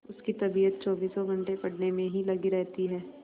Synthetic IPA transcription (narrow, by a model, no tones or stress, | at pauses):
ʊskit̪ɐbiːət̪̚t͡ʃɔːbiːsɔɡʱɐ̃ɳʈepɐɽnemẽɦilɐɡiɾɛɦt̪iɦɛː